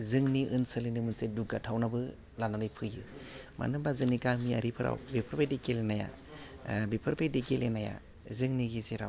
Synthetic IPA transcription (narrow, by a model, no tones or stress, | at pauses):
zɯŋniʔɯnsɯlinimɯnseduɡatʰawnabɯ | lananɯjpʰɯjɯ̰ma̰nɯbazɯŋnikamia̰ɾipʰɯɾa̰wbepʰɯɾpajdekelenaja̰ | bipʰɯɾpʰadikelenaja̰ | zɯŋniɡizeɾa̰w